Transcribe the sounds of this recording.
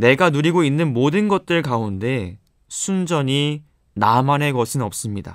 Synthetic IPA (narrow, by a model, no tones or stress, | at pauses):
ne̞ɡanuɾiɡoinːɯnmodɯnɡʌt̚t͈ɯɭkaunde̞ | sʰund͡ʑʌɲi | namane̞ɡʌsʰɯnʌp̚s͈ɯmɲida̰